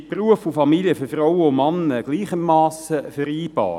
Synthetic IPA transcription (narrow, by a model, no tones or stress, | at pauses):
pruəfufɑmilijəføfrawəʊmɑnːəɡ̥liːχəmːɑːsəfæɾiːb̥ɑ̰ː